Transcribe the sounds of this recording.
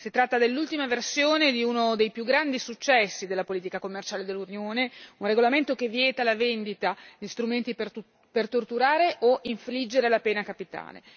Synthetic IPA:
sit̪ɾat̪ːad̪elːult̪imaversjoːned̪iunod̪ejpjuɡɾand̪isut͡ʃːɛsːid̪elːapoliːt̪ikakomːert͡ʃaːled̪elːunjoːneunreɡolament̪okevjɛːt̪alavend̪it̪aʎist̪ɾument̪ipe | pert̪ort̪uɾaːɾeʔoiɱflid͡ʒːeɾelapɛːnakapit̪a̰ːlḛ

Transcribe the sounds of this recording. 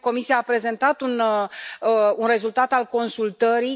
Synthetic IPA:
ko̞misijaːpɾe̞ze̞nt̪at̪un | unre̞zult̪at̪alko̞nsult̪əɾi

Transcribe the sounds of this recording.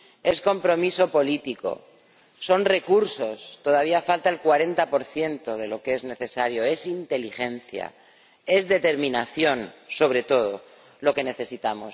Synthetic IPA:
e̞sko̞mpɾo̞miso̞po̞lit̪iko̞̰ | so̞nre̞kuɾso̞st̪o̞ð̞aβ̞iafalt̪aelkwaɾe̞nt̪apo̞ɾθje̞nt̪o̞ð̞e̞lo̞ke̞zne̞θe̞saɾjo̞e̞sint̪e̞lixẽ̞n̟θja̰ | e̞zðe̞t̪e̞ɾmĩnaθjo̞nso̞β̞ɾe̞t̪o̞ð̞o̞ | lo̞ke̞ne̞θe̞sit̪amos

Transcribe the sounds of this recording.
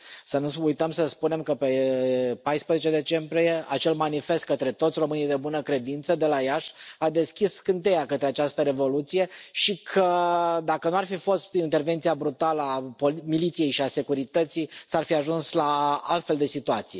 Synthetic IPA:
sənuujt̪əmsəspune̞mkəpe̞pajspɾezet͡ʃed̪e̞t͡ʃe̞mbɾije̞at͡ʃe̞lmanife̞st̪̚kət̪ɾe̞t̪ot̪sʲro̞mɨnijd̪e̞bunəkɾe̞d̪int̪səd̪e̞lajaʃad̪e̞skʲiskɨnt̪̬e̞jakət̪ɾeat͡ʃast̪əɾe̞vo̞lut̪sije̞ʃikʰəd̪akənuarfifo̞st̪int̪erve̞nt̪sijabɾut̪aləapo̞lmilit̪sije̞jʃiase̞kuɾit̪ət̪sijsarfiaʒunslaa̰lt̪fe̞ld̪e̞sit̪uat̪sije̞

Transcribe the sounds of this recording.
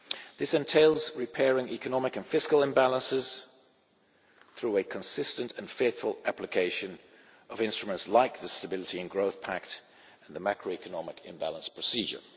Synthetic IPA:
ðɪsɛ̃ntʰeɪlˠzɹɪpʰɛːɹɪ̃ŋʔikənɒmɪkɨ̃nfɪskəlˠɛ̃mbælˠə̃nsɪz̥ | θɹʉɨkʰə̃nsɪstə̃ntʰə̃nfeɪθfə̰lˠæplɨkʰeɪʃɨ̃n | ʔəvɪ̃nstɹ̥əmə̃ntslaɪk̚ðəstəbɪlˠɪɾiɨ̃nɡɹoʊθpʰæk̚t | ə̃n̩ðəmækɹoʊikənɑmɪkʰɨ̰̃mbæ̰lˠə̃nspʰɹ̥əsiːd͡ʒə̰˞

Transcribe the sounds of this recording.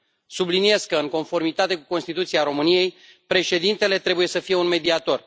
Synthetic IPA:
sublinie̞skəɨŋko̞nfo̞rmit̪at̪e̞kuko̞nst̪it̪ut̪siaɾo̞mɨnije̞j | pɾe̞ʃe̞d̪int̪e̞le̞t̪ɾe̞buje̞səfije̞unme̞d̪iat̪o̞r

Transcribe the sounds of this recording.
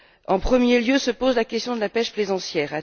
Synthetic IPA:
ɑ̃pχəmjeljøsəpozlakʲɛst̪jɔ̃d̪əlapɛʃplezɑ̃sjɛːʁa

